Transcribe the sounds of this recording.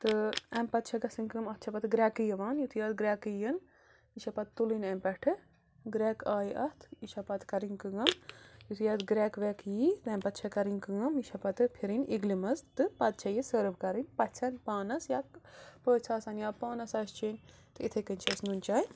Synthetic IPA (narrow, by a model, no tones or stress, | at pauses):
t̪ɨɐmpɐt̪̚t͡ʃʰɐɡɐsɨnkɨmɐt̪̚ʰt͡ʃʰɐpɐt̪ɡɾʲaːkɨjɐʋaːnjut̪ʰjɐːd̪ɡɾʲaːkɨjɐn | iʃʰɐpɐt̪t̪ːulinɐmpɛʈʰɨ | ɡɾɛːkaːjʔɐt̪ʰiʃʰɐpɐt̪ʰkɐɾinkɨŋɐmjut̪ʰjɐːd̪ɡɾɛːkʋɛkjit̪ɐmpɐt̪t͡ʃʰɐkɐɾinkɨŋɐmjiʃʰɐpɐt̪ɨpʰiɾiniɡlimɐzt̪ɨpɐt̪̚t͡ʃʰɐjisəɾʋkɐɾinʲpɐt̪t͡ʃʰɐnpaːnɐsjaːd̪̚pəːt͡sʰaːsɐnjaːd̪paːnɐsɐst͡ʃiːnʲ | t̪ɨit̪ʰɐkɐnʲt͡ʃʰɐsnunt͡ʃaːj